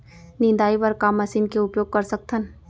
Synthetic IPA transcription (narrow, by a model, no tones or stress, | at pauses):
nɪ̃nd̪aːipɐɾkaːmːɐsiːnkeʊpjoːɡ̚kɐɾsɐk̚t̪ʰən